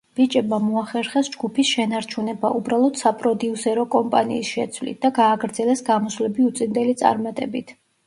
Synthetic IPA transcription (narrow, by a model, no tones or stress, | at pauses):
b̥it͡ʃʼɛbmamɔaχɛɾχɛsd͡ʒɡupʰisʃɛnaɾt͡ʃʰunɛba̰ʔubɾalˠɔd̪sapʼɾɔd̪iusɛɾɔkʼɔmpʼanḭːsʃɛt̪sʰwlḭt̪̚ʰd̪̥aɡaːɡɾd̪zɛlɛsɡamɔslɛbiut̪sʼind̪ɛlit̪sʼa̰ɾmat̪ʼɛbit̪ʰ